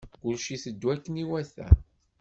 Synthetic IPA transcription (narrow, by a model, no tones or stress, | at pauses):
kʊlʃiθəd̪ːwækːəniwæθæ̰